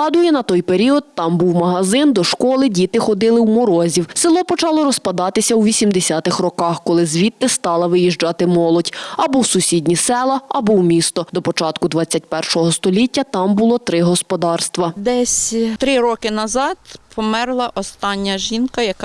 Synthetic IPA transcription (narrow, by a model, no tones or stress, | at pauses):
ɑd̪ʊjɛnɐt̪ɔjpeɾʲiɔd̪̚t̪ɑmbuwmɐɦɐzɪnd̪ɔʃkɔlˠɪdʲit̪ɪxɔd̪ɪlˠɪwmɔɾɔzʲiwsɪlˠɔpɔt͡ʃɑlˠɔɾɔspɐd̪ɑt̪ɪsʲɐwʋʲisʲimd̪esʲat̪ɪxrɔkɑxkɔlˠɪzʋʲit̪ːɪst̪ɑlˠɐʋɪjiʒd͡ʒɑt̪ɪmɔlˠɔdʲɐbɔwsʊsʲidʲnʲisɛlˠɐɐbɔwmʲist̪ɔd̪ɔpɔt͡ʃɑt̪kʊd̪ʋɑt͡sʲːɐt̚ʲpɛrʃɔɦɔst̪ɔlʲitʲːɐt̪ɑmbʊlˠɔt̪ɾɪɦɔspɔd̪ɑrst̪ʋɐd̪ɛsʲt̪ɾɪɾɔkɪnɐzɑt̪pɔmɛrlˠɐʔɔst̪ɑnʲːɐʒinkɐjɐkɑ